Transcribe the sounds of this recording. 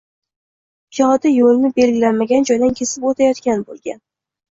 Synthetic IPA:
pʰijɒd̪ɪjolnɪbe̞lɡʲɪlanmaɡʲand͡ʒɒjd̪ankʲʰe̞sɪpot̪ʰajɒt̪kʲanbolˠɡʲan

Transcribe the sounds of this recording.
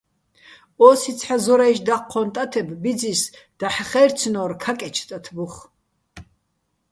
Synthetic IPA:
ɔsit̪t͡sʰħazɔɾaiʃd̪aqʰːɔnt̪ʼat̪ʰɛbbid͡zisd̪̥aħχɛɾt͡sʰnɔrkʰakʼɛt͡ʃʰt̪ʼat̪ʰbuχ

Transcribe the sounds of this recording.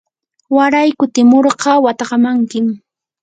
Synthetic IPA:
waɾajkʊt̪ɪmoɾɢɑwat̪ɑqɑmaŋkɪm

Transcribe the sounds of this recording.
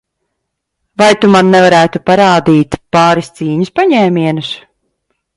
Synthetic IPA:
vajt̪umanːɛvaɾæːt̪upaɾaːd̪iːt̪paːɾist̪siːɲuspaɲɛːmʲiɛnus

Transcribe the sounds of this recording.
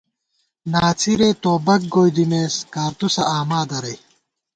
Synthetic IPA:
naːt͡sʰiɾet̪oːbɐk̚ɡoːjd̪imeːskaːɾt̪usɐʔaːmaːd̪ɐɾɐj

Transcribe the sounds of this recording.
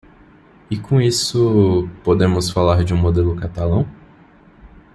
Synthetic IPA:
ɪkõisʊpod̪ẽmʊsfalaɾd͡ʒɪũmod̪elʊkat̪alɐ̃w̃

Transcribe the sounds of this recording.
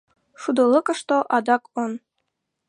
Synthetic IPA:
ʂud̪ɤ̆lˠːɤkɤ̆ʂt̪oʔɑd̪ɑkon

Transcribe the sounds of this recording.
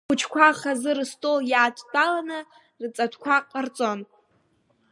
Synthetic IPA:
ʊt͡ʃʰkʷʰaχazɨrɨstʼoljaːtʷʰʼdʼalanɨ | rɨt͡sʼatʷʰkʷʰaqʼart͡sʼon

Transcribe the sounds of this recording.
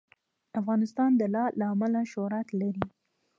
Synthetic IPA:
afɣɑnɪst̪ɑnd̪əlɑlaːmalaʃoɾat̪laɾi

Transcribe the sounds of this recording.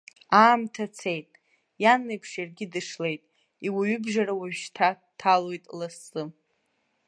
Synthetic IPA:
aːmtʰat͡sʰe̞jtʼ | janːejpʰʂjarɡʲɪdɨʂle̞jtʼ | iwaɥʏbʒarawaʒᶣʃtʰa | tʰalo̞jtʼlasɨ

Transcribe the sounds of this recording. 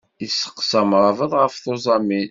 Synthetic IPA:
isːə̥qːsæmɾˤɑvəðˤʁəfθozˤɑmin

